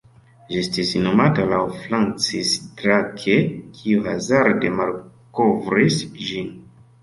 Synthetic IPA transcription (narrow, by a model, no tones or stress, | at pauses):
d͡ʒiestisnomatalawfɾant͡sistɾakʰekʰiuazaɾde̞mal | kovɾisʒin